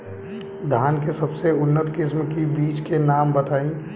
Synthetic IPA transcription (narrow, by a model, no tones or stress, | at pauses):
d̪ʱaːnkesɐbseʊnːət̪kɪsmkibiːt͡ʃkenaːmbət̪aːĩ